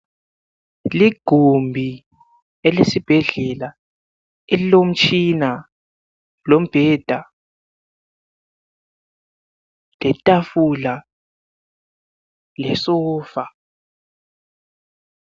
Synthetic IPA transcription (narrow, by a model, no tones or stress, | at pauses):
liɡ̥ʱombʱi | ɛlesib̥ʱɛɮɛla | elilom̩t͡ʃʰʼina | lom̩b̥ʱɛːd̥ʱa | lɛtʼafula | lɛsɔːfa